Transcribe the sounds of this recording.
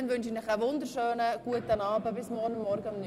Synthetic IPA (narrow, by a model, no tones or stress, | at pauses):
nʋʏnʃɪnəχəʋʊnd̪əɾʃøːnəɡ̥uətənɑːbəbɪsmɔrnʊmːɔɾɡəʊmny